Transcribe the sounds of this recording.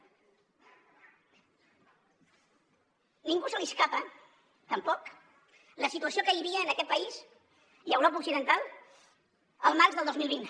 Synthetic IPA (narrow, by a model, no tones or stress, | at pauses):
niŋɡusəliskapə | t̪əmpɔk | ləsit̪uəsiokəβiβiəːnəkɛt̪̚pəiz | iəwɾop̬əuksiðənt̪alˠ | əlˠmarzðəlˠozmilˠβ̞in